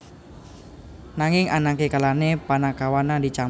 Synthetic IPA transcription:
naŋɪŋanakekalanepanakawanadit͡ʃa

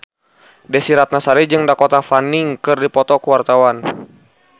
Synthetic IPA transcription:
dɛsiɾat̪̚nasaɾid͡ʒɨŋdakɔt̪afaniŋkɨrdipɔt̪ɔkuwart̪awan

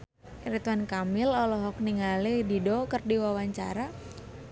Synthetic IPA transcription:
iɾit̪wankamɪlɔlɔɦɔk̚niŋalididɔkɨrdiwawaɲt͡ʃa̰ɾa

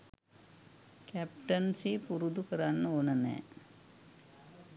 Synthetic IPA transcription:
kæpʈɐnseːpuɾud̪ukɐɾaːnːonɐnḛː

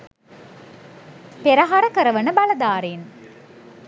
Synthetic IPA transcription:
peɾɐɦaɾəkəɾəʋənəbalɐd̪aːɾen

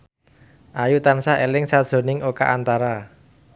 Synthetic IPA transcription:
ʔajut̪ansaelɪŋsad̥ʒ̥o̤nɪŋʔoka̰ʔant̪aɾa

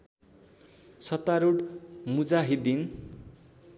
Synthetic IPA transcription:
sʌt̪aɾuɽmud͡zaɦid̪in

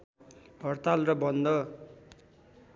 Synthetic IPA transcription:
ɦʌrt̪alrʌbʌnd̪ʌ

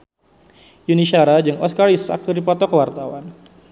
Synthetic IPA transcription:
juniʃaɾad͡ʒɨŋʔɔskaɾisa̰kudipɔt̪ɔkəwart̪awan

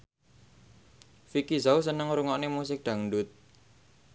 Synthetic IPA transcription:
fikizaus̬ənəŋɾuŋɔʔnemusɪk̚ɖ̪̥a̤ŋɳɖʊt̪̚

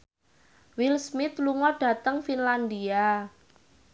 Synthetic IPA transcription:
wilsmit̪luŋɔɖ̥ä̤t̪əŋfinland̪ia

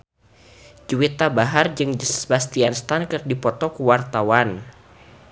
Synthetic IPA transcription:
d͡ʒuwit̪abaɦard͡ʒɨŋd͡ʒbast̪ianst̪ankɨrdipɔt̪ɔkuwart̪awan

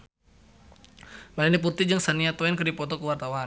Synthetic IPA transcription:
malinip̬urt̪id͡ʒəŋsaniat̪ɔɛnkərdipɔt̪ɔkəwart̪awan

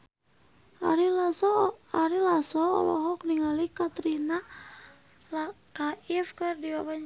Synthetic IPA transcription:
aɾilasɔɔ̰lɔ̰ɦɔkniŋalikat̪ɾina | la | kaifkɨrdibabaɲ

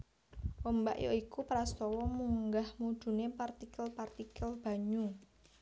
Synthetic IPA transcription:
ʔombaʔjo̰ikupɾast̪ɔwɔmuŋɡahmud̪̥ṳnepart̪ikəlpart̪ikəlb̥a̤ɲu

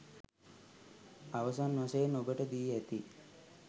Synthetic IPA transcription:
aʋəsanʋasəjenobəʈəd̪iːæt̪i

